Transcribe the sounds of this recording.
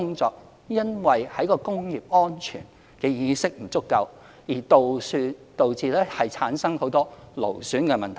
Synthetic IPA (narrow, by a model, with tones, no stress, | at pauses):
ʊ˥ŋt͡sɔː˧k̚ | jɐ˥nwɐ˨jhɐ˨˥jkɔː˧kʊ˥ŋjiː˨p̚ɔː˥nt͡ʃʰy̰ː˨˩n | kɛː˧jiː˨˧sɪ˥k̚m̩˨˩t͡sʊ˥kːɐ˧w | jiː˨˩t̪o˨wsyː˧t̪o˨wt͡siː˨˧lɛː˥hɐ˨jt͡sʰaː˨˥nsɐ˥ŋho˨˥wt̪ɔː˥lo̰˨˩wsyː˨˥nkɛ˧mɐ˨nt̪ʰ